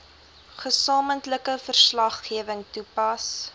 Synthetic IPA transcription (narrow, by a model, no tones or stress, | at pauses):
χəsɑːməntləkəfərslɐχːiəvəŋtupɐs